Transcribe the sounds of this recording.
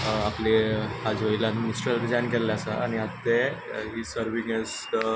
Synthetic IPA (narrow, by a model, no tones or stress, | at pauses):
aplehad͡zʋəilamisʈəlɾid͡zankellaasaa̰ñiat̪ːeɦiːsəɾʋiŋɛz | ə